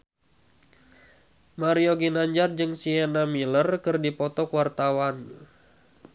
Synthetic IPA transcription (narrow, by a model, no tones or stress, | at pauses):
maɾioɡinaɲd͡ʒard͡ʒɨŋsiɛnamilərkɨrdipɔt̪ɔkwart̪awan